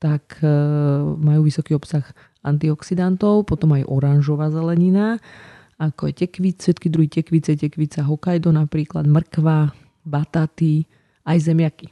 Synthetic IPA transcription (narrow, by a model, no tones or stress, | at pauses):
t̪ak | majuːʋisɔkiːɔpsax | a̰nt̪iɔksid̪ant̪ɔʊpɔt̪ɔmajʔɔɾanʒɔʋaːzɛlɛɲina | akɔjɛcɛkʋiʃɛt̪kid̪ɾuɦiːcɛkʋit͡sɛcɛkʋit͡saɦɔkajd̪ɔnapɾiːkla̰d̪mr̩kʋa | bat̪at̪i | ajzɛmɪaki